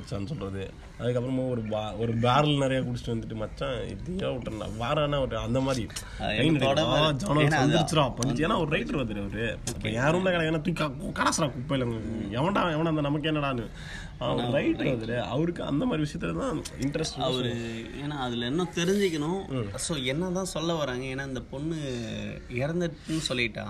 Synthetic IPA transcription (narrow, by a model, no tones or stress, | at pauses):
t͡ʃːãnːɯsɔlɾɐðɯ | ɐðɯk̬ːɐpːɾɐmaɔɾɯbaɔɾɯbaːɾɐlnɛɾɐjaːkuɽɪt͡ʃːɪ̥ʈːɯʋɐnd̪ɯʈːɯmɐt͡ʃːãɪ̰ðɐjaːɔʈːɐ̰ʋaːɾaːnːaʋɐɾɐnd̪ɐmaːd̪ɾi | ɐjɪnɛɽɐkːad͡ʒɐːnɐlsɐnd̪ɪɾɪt͡ʃːɪɾãːpɐɳːɪt͡ʃːeːnːaːɔɾɯɾɐɪʈːɐɾʋɐnd̪ɯɾɐʋɐɾɯɐpːɐːjaːɾɯmlãːkɐɽɛkːnːaːt̪ukɐkɐɽɐsɐɾãːkupːɐlːɐŋɛʋɐɳɖaɛʋɐɳɐnd̪ɐnɐmɐkːenːɐɽaːnɯ | aɔɾɯɾɐɪʈːɐʋɐnd̪ɯɾɯɐ̰ʋɐɾɯkːɯɐ̰nd̪ɐmaːd̪ɾiʋɪʂɐjɐt̪ːɪɐt̪ãːɪɳʈɐɾɛsʈːɐɐɾ | eːnaːɐðɪlɛnːõt̪ɛɾɪɲd͡ʒɪkːɐɳʊ̃ːsoːɛnːɐt̪ãːsɔlːɐʋɐɾaːŋɡɐeːnːaːɪnd̪ɐpɔnːɯ | ɪɾɐnd̪ɯɾʈːɯnːɯsɔlːɪʈːã̰ː